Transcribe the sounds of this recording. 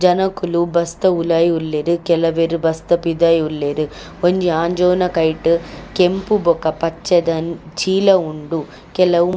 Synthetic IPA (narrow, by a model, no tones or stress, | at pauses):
d͡ʒɐnɐkulubɐst̪ɐulaːjulːeɾukɛlɐʋeɾubɐst̪ɐpid̪ɐjulːeɾu | oɲd͡ʒiaːɲd͡ʒɔːnɐkɐjʈɨkempubɔkɐpɐt͡ʃːɐd̪ɐnt͡ʃiːlɐuɳɖu | kɛlɐu